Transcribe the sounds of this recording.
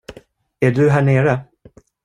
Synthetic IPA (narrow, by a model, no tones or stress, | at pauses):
æɖɵɦæːɳeːɾə